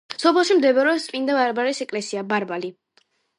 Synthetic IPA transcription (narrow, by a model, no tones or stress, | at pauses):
sɔpʰɛlˠʃimd̪ɛbɛɾɛsʼpʼind̪abaɾbaɾisɛkʼlɛsiabaɾbali